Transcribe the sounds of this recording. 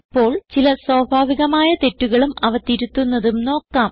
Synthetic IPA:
ipːo̞ːɭt͡ɕilɐsoːbʱaːʋiɣɐmaːjɐt̪e̞tːuɣɐɭumɐʋɐt̪iɾut̪ːunːɐðumno̞ːkːaːm

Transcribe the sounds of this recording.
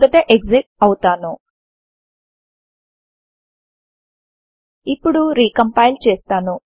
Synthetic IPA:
ɡɐt̪eʔeɡd͡ʒek̚ʈ̚ɐwut̪aːnu | ipːuɽuɾiːkɐmpajlt͡ʃeːst̪aːnu

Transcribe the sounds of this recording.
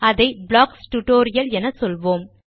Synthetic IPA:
ɐðɐɪblaːksʈʊʈoːɾɪjɐlɛnɐsɔlʋoːm

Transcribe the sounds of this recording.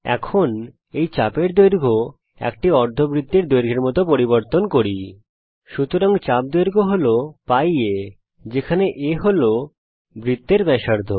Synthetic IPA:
ɛ̰kʰon | ejt͡ɕapeɾd̪ojɾɡʱo | ɛ̰kʈiɔɾd̪ʱobɾid̪ːeɾd̪ojɾɡʱeɾmɔt̪opoɾiboɾt̪onkoɾi | ʃut̪oɾaŋt͡ɕap̚d̪ojɾɡʱoɦolopaje | d͡ʑekʰaneʔeɦolo | bɾid̪ːeɾbɛʃaɾd̪ʱo

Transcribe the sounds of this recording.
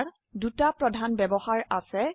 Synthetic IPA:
ɹ | dutapɹɔdʱanbɛbɔhaɹasɛ

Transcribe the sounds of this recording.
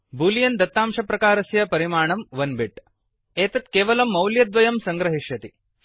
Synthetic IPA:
bʱuːlijɐnd̪ɐt̪ːaːmʃɐpɾɐkaːɾɐsjɐpɐɾimaːɳ̃ɐmʋɐnbiʈ | eːt̪ɐt̪keːʋɐlɐmːɐwljɐd̪ʋɐjɐmsɐŋɡɾɐɦiʂjɐt̪i

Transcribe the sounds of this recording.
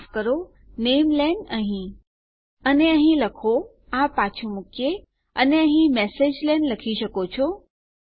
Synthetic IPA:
fkəɾo | neːmlɛnəɦĩ | əneəɦĩləkʰo | ãpːat͡ʃʰumʊkʰje | ə̰neəɦĩmɛːseːd͡ʒlɛnləkʰiʃəkot͡ʃʰo

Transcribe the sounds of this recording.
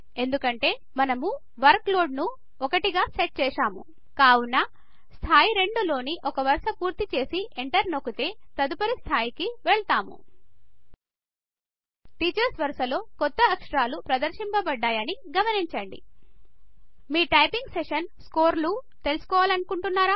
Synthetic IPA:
e̞nd̪ukɐɳʈe̞ː | mɐnɐmu | ʋɐɾklo̞ːɖnu | ɔkɐʈiɡaːseʈ̚t͡ʃɛːʂaːmṵ | kaːwunːɐ | st̪ʰaːjiɾe̞ɳɖulo̞ːniʔɔkɐʋɐɾʂɐpuːɾt̪it͡ʃe̞ːsiʔeɳʈɐɾno̞kut̪e̞ːt̪ɐd̪upɐɾist̪ʰaːjikiʋeɭt̪aːmṵ | ʈiːt͡ʃɐɾsʋɐɾsɐlo̞ːkɔt̪ːɐːkʂɐɾaːlupɾɐd̪ɐɾʂimpɐbɐɖːaːjɐniɡɐmɐniɲt͡ʃɐɳɖḭ | miːʈɐjpiŋɡseʂɐnsko̞ːɾlut̪e̞lusu̥kɔːʋaːlɐnukuɳʈunːaːɾaː

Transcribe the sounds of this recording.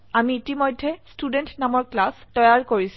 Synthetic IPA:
amiːtimojdʱːɛstudɛntnamɔɹklastɔjaɹkoɹis

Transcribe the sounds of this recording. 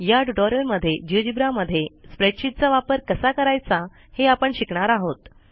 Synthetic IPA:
jaʈuʈɔɾəɾməd̪ʱːjed͡ʑiʋd͡ʑibɾaməd̪ʱːjespɾeʈɕit̪̚t͡saʋapəɾkəsakəɾajt͡sa | heapəɳɕikɳaɾaɦot̪

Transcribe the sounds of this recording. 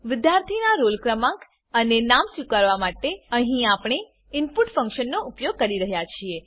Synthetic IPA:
ʋɪd̪jaɾt̪ʰinaɾolkɾəmak | ənenamsikaɾʋamaʈeəɦĩapɳ̃e | ɪnpuʈfə̃ŋkʃənːoupjoɡ̚kəɾiɾəɦjat͡ʃʰie

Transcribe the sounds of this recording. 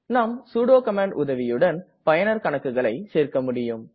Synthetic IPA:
naːmsuːɽoːkɐmaːɳɖʊðɐʋɪjɯɽɐn | pɐjɐnɐɾkɐɳɐkːɯɣɐɭɐɪseːɾkɐmʊɽɪjɯm

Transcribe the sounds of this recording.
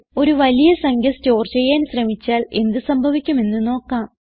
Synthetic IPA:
o̞ɾuʋɐlijɐsɐŋɡʱɐsto̞ːrt͡ɕejːaːnɕrɐmit͡ɕːaːle̞̰nd̪ɨsɐmbʱɐʋikʲːume̞nːɨno̞ːkːaːm

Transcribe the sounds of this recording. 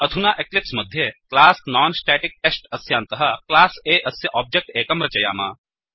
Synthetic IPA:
ɐd̪ʱunaːʔeklɪpsmɐd̪ʱjeklaːsnaːnsʈɛːʈik̚ʈesʈɐsjaːnt̪ɐɦɐklaːseːʔɐsjɐʔɔːb̚d͡ʒek̚ʈeːkɐmɾɐt͡ʃɐja̰ːma̰ː

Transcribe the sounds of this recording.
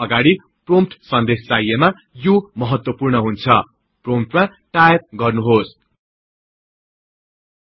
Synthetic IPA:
ʌɡaɽi | promʈsʌnd̪est͡sajema | jomʌɦʌt̪wʌpurɳʌɦunt͡sʰʌ | promʈmã | ʈajrɡʌrnuɦos

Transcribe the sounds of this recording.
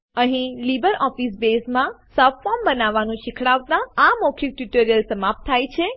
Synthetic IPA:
əɦĩlibəɾɔfisbesmãsɔffɔmbənaʋːanũʃɪkʰɽaʋt̪ãamokʰik̚ʈuʈəɾijəlsəmap̚t̪ʰːajt͡ʃʰe

